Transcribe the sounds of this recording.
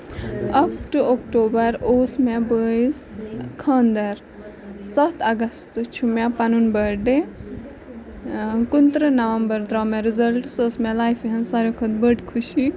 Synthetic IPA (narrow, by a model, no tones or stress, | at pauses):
ɐkʈokʈoːbɐɾoːsmɛ̃bəiskʰɐːnd̪ɐɾ | sɐt̪ʰɐɡɐst̪t͡ʃʰumɛ̃pɐnunbəɖe | kunt̪ɾənɐʋɐmbɐɾd̪ɾaːmɛ̃ɾizɐlʈsəsmɛ̃laːjfiɦɐnsɐɾokʰɐt̪bəʈkʰuʃi